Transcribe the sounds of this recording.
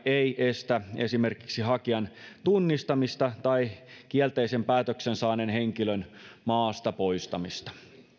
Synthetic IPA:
eiʔest̪æesime̞rki̥ksiɦɑkiɑnt̪unːist̪ɑmist̪ɑt̪ɑik̟iɛlt̪eisempæːt̪øksensɑːnenheŋkilønmɑːst̪ɑpoist̪ɑmist̪ɑ̥

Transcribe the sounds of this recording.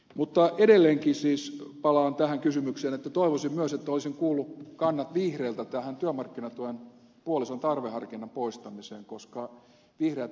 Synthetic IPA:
mut̪ːɑʔedelːeːŋkisiːspɑlɑːnt̪æhæŋkysymykseːnet̪ːæt̪oiʋosimmyøset̪ːæolisiŋkuːlːukɑnːɑt̪ʋihreːlt̪æt̪æhænt̪yæmɑrkːinɑt̪uen | puolisont̪ɑrʋehɑrkinːɑmpoist̪ɑmiseːŋkoskɑ | ʋihreæt̪

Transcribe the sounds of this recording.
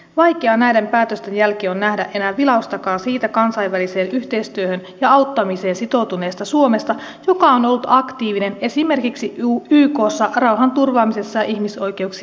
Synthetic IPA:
ʋɑjkeɑnæjdempæːt̪øst̪enjælkeːonːæhdæʔe̞næʋilɑust̪ɑkɑːsiːt̪ækɑnsɑjʋːælise̞ːnyht̪e̞ist̪yøhønjɑɑwt̪ːɑmise̞ːnsit̪o̞wt̪une̞ːst̪ɑsuo̞me̞st̪ɑ | jo̞kɑono̞lːut̪ɑkt̪iːʋine̞ne̞sime̞rkiksiyːko̞ːsːɑrɑwɦɑnt̪urʋɑːmise̞sːɑjɑʔiçmiso̞jk̟e̞uksi

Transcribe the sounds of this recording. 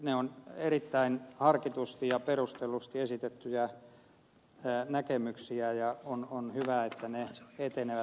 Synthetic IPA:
neonerit̪ːæinhɑrkit̪ust̪ijɑperust̪elust̪iesit̪et̪ːyjæ | nækemyksiæjɑononhyʋæet̪ːæneet̪eneʋæ

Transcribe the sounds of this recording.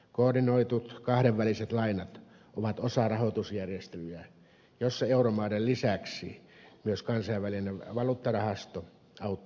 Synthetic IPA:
koːrdinoit̪ut̪kɑhɾeʋːæliset̪lɑinɑt̪ | oʋɑt̪osɑrɑhot̪usjærjest̪elyjæ | josːɑeuromɑːdellisæksḭmyøskɑnsɑiʋʋælineʋɑluːt̪ːɑrɑhɑst̪o | ɑut̪ː

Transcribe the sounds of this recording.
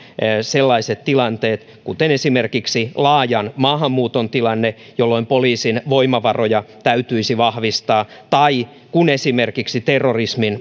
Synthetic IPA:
selːɑiset̪t̪ilɑnt̪eːt̪ | kut̪enesimerkiksilɑːjɑnmɑːɦɑmːuːt̪ont̪ilɑnːejolːoimpoliːsinʋoimɑʋɑrojɑt̪æyt̪yisiʋɑhʋist̪ɑːt̪ɑi | kunesimerkiksit̪erːorismin

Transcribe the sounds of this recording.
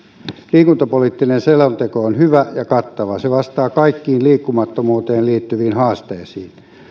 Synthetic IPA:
liːkunt̪ɑpoliːt̪ːinenselont̪ekoonhyʋæjɑkɑt̪ːɑʋɑseʋɑst̪ɑːkɑikːiːnliːkːumɑt̪ːomuːt̪eːliːt̪ːyʋiːnhɑːst̪eːsiːn

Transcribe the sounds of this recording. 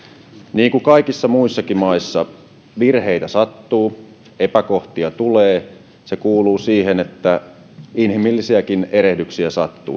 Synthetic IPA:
niːŋkukɑikisːɑmuisːɑkimɑisːɑ | ʋirhe̞it̪æsɑt̪ːuː | epæko̞ht̪iɑt̪uleː | se̞kuːluːsiːɦenet̪ːæ | inhimilːisiækine̞ɾehdyksiæsɑt̪ːṵː

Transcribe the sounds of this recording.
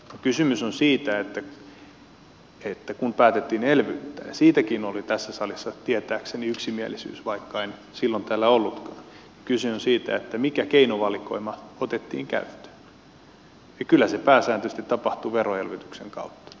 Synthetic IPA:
nokysymysonsiːt̪æet̪ːæ | et̪ːækunpæːt̪et̪ːiːnelʋyt̪ːæ̰ːjɑsiːt̪ækinolit̪æsːæsɑlisːɑt̪iæt̪æːkseniyksimiælisy̰ːsʋɑikːɑen | silːont̪æːlːæolːut̪kɑːn | jɑ̥kysyonsiːt̪æ̰et̪ːæmikækeinoʋɑliko̰imɑot̪et̪ːḭːŋkæ̰yt̪ːø̥ | jɑkylːæsepæːsæːnt̪øst̪it̪ːɑpɑht̪uʋeroelʋyt̪ykseŋkɑ̰ut̪ːɑ̥

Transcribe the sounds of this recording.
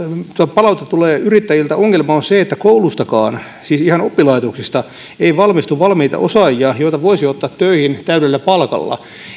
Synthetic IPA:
t̪uɑpɑlɑut̪et̪uleːyrit̪ːæjilt̪æoŋːelmɑonseet̪ːækoulust̪ɑkɑ̰ːn | siːsihɑnopːilɑit̪oksist̪ɑ | eiʋɑlmist̪uʋʋɑlmiit̪ɑ̰ʔosɑjɑjoijt̪ɑʋoisiot̪ːɑt̪t̪ːøihint̪æyɾelːæpɑlkɑ̰lːɑ̰

